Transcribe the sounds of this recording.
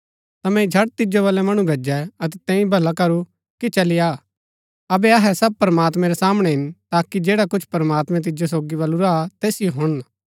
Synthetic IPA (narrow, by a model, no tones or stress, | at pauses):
t̪ɐmɛ̃id͡ʒʱɐɽt̪ɪd͡ʒoβɐlɛmɐɽ̃ũbʱɐd͡ʒɛɐt̪ɛt̪ɛ̃ːĩbʱɐlakɐɾu | kit͡ʃɐlɪja | ɐbɛɐɦɛsɐb̚pɾmaːt̪mɛ̃ɾɛsaːmɽ̃ɛɦɪnt̪aːkid͡ʒeːɽakʊt͡ʃʰpɐɾɐmaːt̪mɛ̃t̪̬ɪd͡ʒos̬oːɡiβɐluɾat̪eːsɪjoɦʊɽ̃